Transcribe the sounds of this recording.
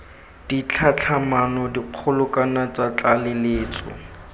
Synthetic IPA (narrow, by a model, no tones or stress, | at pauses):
d̥it͡ɬʰat͡ɬʰamanɔdiq͡χʰʊlʊkanat͡sat͡ɬalɪleːt͡sʼɔ̰